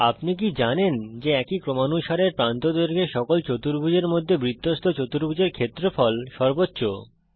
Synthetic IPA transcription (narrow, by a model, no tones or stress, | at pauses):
apnik̬id͡ʑanend͡ʑeɛkikɾomanuʃaɾeɾpɾant̪od̪oɾɡʱeʃɔkolt͡ɕot̪uɾbʱud͡ʑeɾmod̪ʱːebɾit̪ːost̪ʰot͡ɕot̪uɾbʱud͡ʑeɾkʰet̪ːɾofɔlʃɔɾbotːɕo